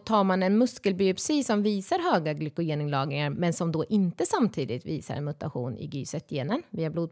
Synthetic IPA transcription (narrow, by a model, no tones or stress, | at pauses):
t̪ʰɑːɾmanɛnmɵskəlbyʊpsiːsɔmviːsaɾɦøːɡaɡlʏkːʊjeːnɪŋlɑːɡnɪŋaɾmɛnsɔmd̪ɔʔɪnt̪əsamt̪ʰiːd̪ɪt̪viːsa̰ɾɛ̰nmɵt̪a̰ɧṵːnɪ̰ɡyːsɛt̪ʰjeːnənviːabluːd̪̚